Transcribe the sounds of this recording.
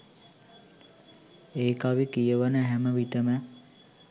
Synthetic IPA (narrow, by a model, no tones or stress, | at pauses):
eːkaʋikijəʋənəɦæməʋiʈəmə